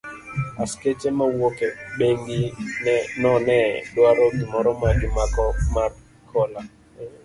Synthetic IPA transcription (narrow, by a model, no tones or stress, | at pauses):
asket͡ʃemawokeɓeŋɡinɛnɔnɛdwaɾɔkimɔɾɔmaɡɪmakɔmar | kʰɔla